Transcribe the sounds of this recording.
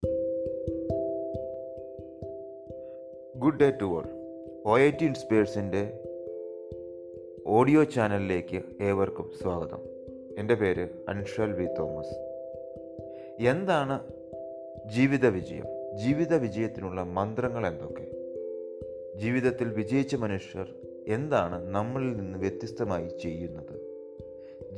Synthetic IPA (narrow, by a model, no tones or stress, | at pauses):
ɡuɖːejtːuʋɐ̰r | o̞ːjɐjtːiinspeːrsinde̞ | o̞ːɖijo̞ːt͡ɕaːnɐlile̞ːkːɨe̞ːʋɐrkumsʋaːɡɐðɐ̰m | e̞nde̞pe̞ːɾɨ | ɐ̰nuʂɐlʋiːt̪ːo̞ːmɐs | e̞nd̪aːɳɨ | d͡ʑiːʋiðɐʋid͡ʑɐjɐ̰md͡ʑiːʋiðɐʋid͡ʑɐjɐt̪ːinuɭːɐmɐnd̪rɐŋːɐɭe̞nd̪o̞kːe̞̰ | d͡ʑiːʋiðɐt̪ːilʋid͡ʑɐjit͡ɕːɐmɐnuʂjɐr | e̞nd̪aːɳɨnɐmːɐɭilninːɨʋje̞t̪ːjist̪ɐmaːjit͡ɕe̞jːunːɐðɨ